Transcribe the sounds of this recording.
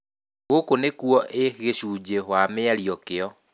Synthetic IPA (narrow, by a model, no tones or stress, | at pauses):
ɣokonekuɔʔeɣeɕud͡ʑehwameaɾiɔkeɔ